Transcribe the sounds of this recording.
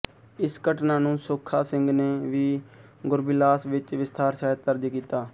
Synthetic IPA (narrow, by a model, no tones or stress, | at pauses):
ɪskəʈnaːnũːsoːkʰːaːsɪŋɡneːʋiːɡʊɾbɪlaːsʋɪt͡ʃʋɪst̪aːɾsaːət̪əɾd͡ʒkiːt̪aː